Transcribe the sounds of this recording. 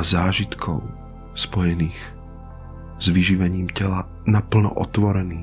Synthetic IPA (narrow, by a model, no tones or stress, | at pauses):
zaːʒit̪kʰɔ̰ʊ | spɔjɛniːx | z̥ʋiʒiʋɛɲiːmcɛla | napl̩nɔ̰ʔɔt̪ʋɔɾɛniː